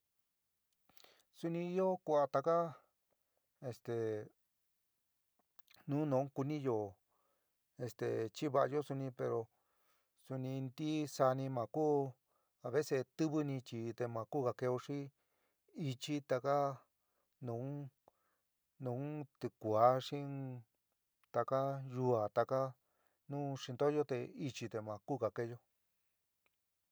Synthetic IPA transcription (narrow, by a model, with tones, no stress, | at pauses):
su˧nĩ˧i˧jo˦ku˧a˧t̪a˧ka˦ | e˧st̪e˨ | nũː˨˦nõ˨˦ku˧nĩ˦jo˨ | e˧st̪ḛ˨t͡ʃi˦βa˧ʔa˧jo˦su˧nĩ˧pe˧ɾo˧ | su˧nĩ˧nd̪i˦sa˧nĩ˧mã˨kuː˦ | a˨βe˦se˧t̪ɨ˦βɨ˧nĩ˧t͡ʃi˧˨t̪e˧mã˨˧kuː˦˨ka˧ke˧o˧ʂĩ˦ | i˧t͡ʃi˦t̪a˧ka˦ | nũː˨˦ | nũ˨˦t̪ɨ˧kʷa˨˦ʂĩ˦ | t̪a˧ka˦ʒu˧a˨t̪a˧ka˦ | nũ˦ʂi˧nd̪o˦jo˦t̪e˧i˧t͡ʃi˧t̪e˧˨mã˨kuː˦ka˨ke˧jo˧